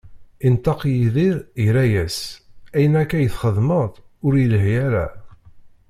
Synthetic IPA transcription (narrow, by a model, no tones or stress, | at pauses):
int̪ːɑqjiðiɾjɾæjæsæjənækːæjəθχəðˤməðˤʊɾjələɦjæɾæ̰